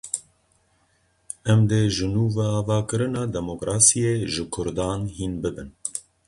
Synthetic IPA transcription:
ɛmd̪eʒɨnuːvɛɑːvɑːkɨɾɨnɑːd̪ɛmokɾɑːsijeːʒɨkʰʊɾd̪ɑːnhiːnbɨbɨn

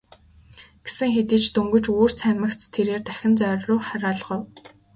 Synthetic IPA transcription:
ɡ̥e̥sɘ̆ŋxet̪iːt͡ɕt̪uŋɡɵ̆t͡ɕuːr̥t͡sʰæmə̆kt͡st̪ʰːeɾeːrt̪æxʲɪ̆nt͡sœrʲrʊːχæɾaːɮʁʊ̆w

